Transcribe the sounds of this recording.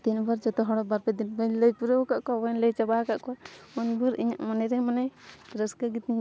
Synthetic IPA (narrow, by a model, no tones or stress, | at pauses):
t̪inbaɾd͡ʒɔt̪ɔɦɔɽɔbaɾpɛd̪inbənləjpuɾəkaʔkɔabanləjt͡ʃabakaʔkɔwaunbuɾḭɲa̰ʔmanɛɾɛmanɛɾəskaɡit̪iɲ